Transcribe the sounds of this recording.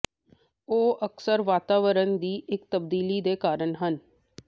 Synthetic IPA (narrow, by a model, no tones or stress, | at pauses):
oːəksəɾʋaːt̪aːʋəɾənd̪iːʔɪkt̪əb̚d̪iːliːd̪eːkaːɾəɳɦən